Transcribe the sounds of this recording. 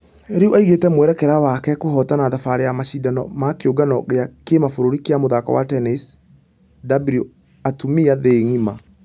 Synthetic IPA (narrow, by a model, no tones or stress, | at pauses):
eɾiuʔaiɣetɛmwɛɾɛkɛɾawakɛkohɔtanaðafaɾejamaɕidanɔ̰makeoɡanɔɣeakemafoɾoɾikeamoðaka̰wa̰tɛnis | dabɾio | atumiaðeŋima